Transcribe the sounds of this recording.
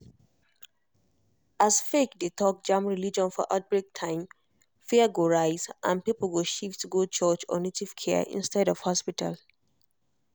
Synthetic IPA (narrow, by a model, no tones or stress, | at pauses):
asfekdetʰɔk̚d͡ʒãmɹilid͡ʒɔ̃nfɔʔa̰ʊt̚bɹek̚tʰãɪ̃m | fɛəɡoɹaɪzʔã̰npipəl̩ɡoʃiftɡot͡ʃɔt͡ʃɔ̰netiv̥kʰɛə̰ʔḭ̃nstɛɾɔv̥hɔspitʰa̰l